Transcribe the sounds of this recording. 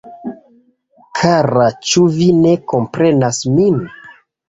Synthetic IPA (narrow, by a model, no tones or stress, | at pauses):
kʰaɾat͡ʃuvine̞ko̞mpɾe̞nasmin